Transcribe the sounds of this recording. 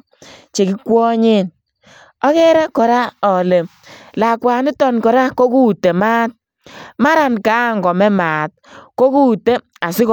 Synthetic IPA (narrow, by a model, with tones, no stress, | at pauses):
t͡ʃe˨ki˦kwɔ˦ɲe˦n | ɔ˦kɛ˦ɾɛ˦kɔ˨ɾa˦ɔ˨le˨m | la˨kwaː˨ni˦tɔ˦˨nkɔ˨ɾa˦ko˦ku˦te˨ma˦t̚ | ma˦ɾa˨nkaː˨˦˨ŋɡɔ˨mɛ˦maː˨t̚ko˦ku˦te˦ | a˨sɪ˦k